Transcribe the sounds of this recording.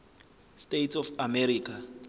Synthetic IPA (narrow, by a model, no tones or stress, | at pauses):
stetsɔfamɛɾiːk̬ʼa